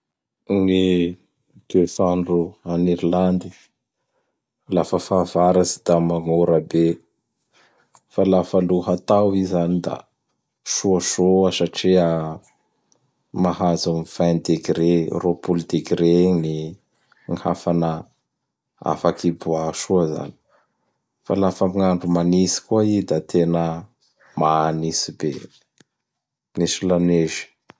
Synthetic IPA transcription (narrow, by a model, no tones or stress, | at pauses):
ni | ɡ̪̥esaɳɖ͡ʐuaniɾiland̪i̥ | lafəfavaɾazi̥d̪̥amaŋoɾəbe | falafaluɦat̪awizanid̪a̰ | ʃuaʃoasaʈ͡ʂia | maɦazumv̥and̪eɡɾeropuld̪eɡɾeni | ŋha̰fanə | a̰fakibuaʃuaza̰ni̥ | fa̰lafamiŋaɳɖ͡ʐumanisi̥kuaid̪at̪ʰenə | manisibḛ | nisilaneʒi̥